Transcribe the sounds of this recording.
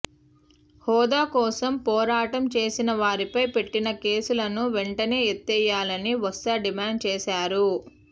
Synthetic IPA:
hɔːd̪aːkɔːsɐmpɔːɾaːʈɐmt͡ʃe̞ːsinɐʋaːɾipɐjpe̞ʈːinɐke̞ːsulɐnuʋeɳʈɐne̞ːet̪ːɛjːaːlɐniʋɐst̪ɐɖimaːɳɖ̚t͡ʃɛːsaːɾu

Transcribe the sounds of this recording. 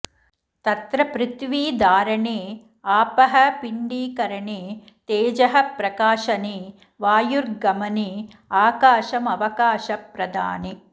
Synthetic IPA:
t̪ɐt̪ɾɐpɾɪt̪ʋiːd̪aːɾɐɳeː | aːpɐɦɐpiɳɖiːkɐɾɐɳeː | t̪eːd͡ʒɐɦɐpɾɐkaːʃɐneː | ʋaːjuɾɡɐmɐneː | aːkaːʃɐmɐʋɐkaːʃɐpɾɐd̪ʱa̰ːni

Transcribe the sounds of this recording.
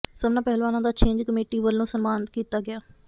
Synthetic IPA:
səbnaːpɛɦlʋaːnãːd̪aːt͡ʃʰẽːɲd͡ʒkəmeːʈiːʋəlːõːsəmmaːnkiːt̪aːɡɪaː

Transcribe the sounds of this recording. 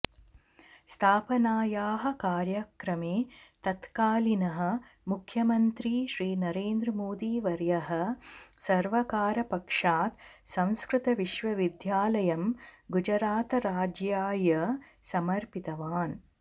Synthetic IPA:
st̪ʰaːpɐnaːjaːɦɐ̆kaːɾjɐkɾɐmeːt̪ɐt̪kaːlinɐɦɐ̆ | mukʰjɐmɐnt̪ɾiːʃɾiːnɐɾeːnd̪ɾɐmoːd̪iːʋɐɾjɐɦɐ̆sɐɾʋɐkaːɾɐpɐkʂaːt̪sɐ̃w̃skɾɪt̪ɐʋiʃʋɐʋid̪jaːlɐjɐmɡud͡ʒɐɾaːt̪ɐɾaːd͡ʒjaːjɐsɐmɐɾpit̪ɐʋaːn

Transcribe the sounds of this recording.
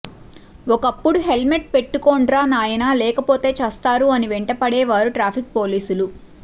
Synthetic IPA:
ɔkɐpːuɽuɦe̞lme̞ʈ̚pe̞ʈːukoːɳɖɾaːnaːjɐnaːlɛːkɐpo̞ːt̪e̞ːt͡ʃɐst̪aːɾuɐniʋeɳʈɐpɐɽɛːʋaːɾuʈɾaːpʰik̚po̞ːliːsulu

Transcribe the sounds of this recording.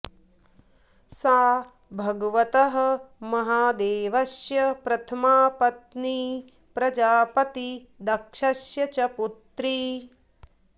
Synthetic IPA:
saː | bʱɐɡɐʋɐt̪ɐɦɐ̆mɐɦaːd̪eːʋɐsjɐpɾɐt̪ʰɐmaːpɐt̪ni | pɾɐd͡ʒaːpɐt̪i | d̪ɐkʂɐsjɐt͡ʃɐput̪ɾi

